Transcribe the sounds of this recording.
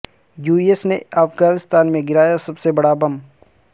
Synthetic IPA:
juːiesneaːfɡaːnɪst̪aːnmẽɡɪɾaːjasɐbsebɐɽabɐm

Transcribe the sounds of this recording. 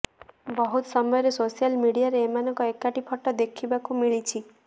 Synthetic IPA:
bɔɦut̪ɔsɔmɔjɔɾesosialmiɽijaɾeemanɔŋkɔekaʈipʰɔʈːɔd̪ekʰibakumiɭit͡ʃʰi

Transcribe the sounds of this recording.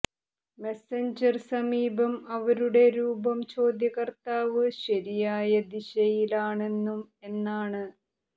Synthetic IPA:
me̞seɲd͡ʑɐrsɐmiːbɐmɐʋɐɾuɽe̞ɾuːbɐmt͡ɕo̞ːd̪jɐɣɐrt̪aːʋɨɕɐɾijaːjɐd̪iɕɐjilaːɳe̞nːume̞nːaːɳɨ

